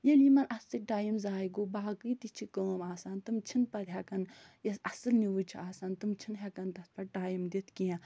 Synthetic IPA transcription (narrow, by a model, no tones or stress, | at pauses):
jelimɐnʔɐst̪iʈaːjimzaːjiɡoːbaːkɨt̪it͡ʃʰikoːmaːsaːnt̪ɨmt͡ʃʰinpɐd̪ɦʲakɐnjɐsɐsɨlniʋut͡ʃʰiaːsaːnt̪ɨmt͡ʃʰinɦʲɛkɐnt̪ɐt̪̚ʰpɐʈaːjimd̪it̪ʰkijã